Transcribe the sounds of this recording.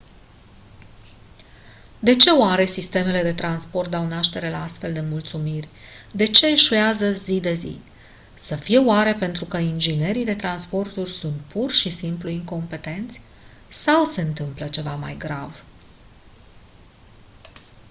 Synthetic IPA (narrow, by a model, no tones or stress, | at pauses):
d̪e̞t͡ʃe̞oaɾe̞sist̪e̞me̞le̞d̪e̞t̪ɾanspo̞rt̪̚d̪awnaʃt̪e̞ɾe̞laast̪fe̞ld̪e̞mult̪sumirʲd̪e̞t͡ʃe̞ːʃueazəzid̪e̞zḭ | səfije̞oaɾe̞pe̞nt̪ɾukəind͡ʒine̞ɾid̪e̞t̪ɾanspo̞rt̪urʲsunt̪̚pʰurʃisimpluiŋko̞mpe̞t̪e̞nt̪sʲ | sawseɨnt̪ɨmplət͡ʃe̞vama̰jɡɾav